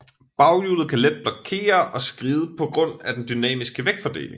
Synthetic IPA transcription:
b̥ɑ̈ʊjulð̩ˠkʰæled̥̚b̥lɒ̽kʰe̝̰ːɐɒ̽sɡ̥ʁiːðˠəpʰɒ̽ɡ̥ʁɔ̽n̰æd̥end̥ynɛ̰ːmisɡ̥əʋeɡ̥fɒd̥e̝̰ːle̝ŋ

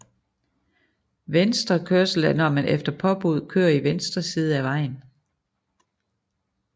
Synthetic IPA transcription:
ʋensd̥ʁɐkʰøɐsl̩ænɐmænʔefd̥ɐpʰɒ̽b̥uð̞ˠkʰø̰ːɐiʋensd̥ʁɐsiːð̞̩ˠəæʋɑ̈ɪ̰n

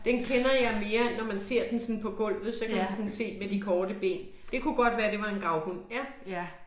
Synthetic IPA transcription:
d̥enkʰenɐjɑ̈ɪme̝ːɐnɒmænse̝ɐ̰d̥ensɒ̽npʰɒ̽ɡ̥ɔ̽l̰ʋð̩ˠsɒ̽kʰæmænsɒ̽nse̝̰ːmed̥ikʰɒːd̥əb̥e̝̰ːn | d̥e̝kʰuɡ̥ɒ̽d̥ʋæːɐd̥e̝ʋɑ̈e̝nɡʁɑ̈ʊɡ̥unjæ

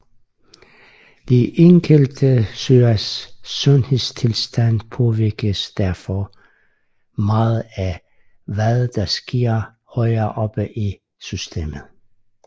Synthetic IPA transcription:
d̥iʔeŋɡ̥əld̥əsøːɐsːɔ̽nhe̝ðˠstʰe̝lsd̥æn̰pʰɒ̽ʋiɐɡ̥əsd̥æɐfɒ | mɑːð̩ˠæ | ʋæðˠd̥ɑ̈sɡ̥iɐ̰ | hɒɪɐʔɒ̽b̥əʔi | sysd̥e̝̰ːməð̩ˠ

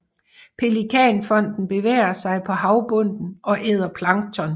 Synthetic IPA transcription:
pʰe̝likʰɛ̰nfɒ̽n̰d̥n̩b̥e̝ʋḛːɐsɑ̈ɪpʰɒ̽ɦɑ̈ʊb̥ɔ̽n̰d̥n̩ɒ̽ʔeð̞̰ˠɐpʰlɑ̈ŋt͡sʰɒn

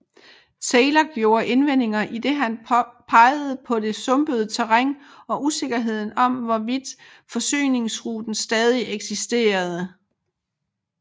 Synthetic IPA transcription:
t͡sʰeɪlɐɡ̥jo̝ːɐʔe̝nʋen̰e̝ŋɐʔid̥e̝ɦænpʰɑ̈ɪð̩ˠpʰɒ̽d̥e̝sɔ̽mb̥əð̞̩ˠt͡sʰæʁaŋ̰ | ɒ̽ʔuse̝ɡ̥ɐɦe̝ð̞̰ˠn̩ɒ̽mʋɒʋid̥ | fɒ̽sy̰ːne̝ŋsʁud̥n̩sd̥ɛːð̞ˠiʔeɡ̥sisd̥e̝̰ːɐð̞ˠə

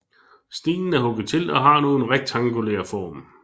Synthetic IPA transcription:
sd̥ḭːnn̩æɐɦɔ̽ɡ̥ð̩ˠt͡sʰe̝lɒ̽ɦɑ̈no̝ːn̩ʁeɡ̥̚d̥ʰɑ̈ŋɡ̥ulḛːɐfɒ̰ːm

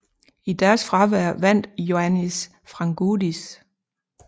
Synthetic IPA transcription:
id̥æɐsfʁɑ̈ʋæɐ̰ʋæn̰d̥jo̝ænis | fʁɑ̈ŋɡ̥udis

